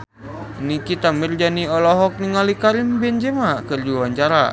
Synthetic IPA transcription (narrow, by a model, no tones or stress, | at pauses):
nikit̪amird͡ʒaniɔlɔɦɔk̚niŋalikaɾimbɛnd͡ʒɛmakərd͡ʒuwaɲt͡ʃaɾa